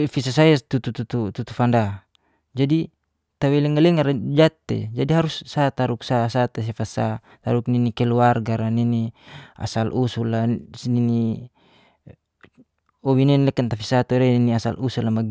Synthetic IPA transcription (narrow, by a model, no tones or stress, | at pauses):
fisasait̪ut̪ut̪ut̪ut̪ut̪ufanda | d͡ʒadi | t̪awɛlɛŋalɛŋaɾd͡ʒat̪ːḛd͡ʒadiɦaɾusːat̪aɾuksasat̪es̬ɛfasa̰ | t̪aɾuk̚ninikɛluarɡaɾaninia̰salʔusulasnini | ɔwininlɛkant̪afisat̪uɾɛniniasa̰lusulamaɡ